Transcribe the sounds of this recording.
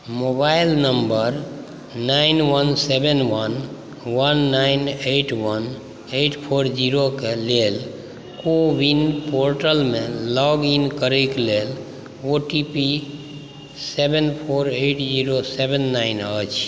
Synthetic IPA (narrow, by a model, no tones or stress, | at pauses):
mobailnəmbəɾ | nainwənsebenwən | wənːaɪneʈʰwən | eʈʰpʰoɾd͡ʒiɾokelel | kowinpoɾʈəlmelɔɡinkəɾəɪklel | oʈipi | sebenpʰoɾeʈʰd͡ʒiɾosebenːaɪnət͡ʃʰ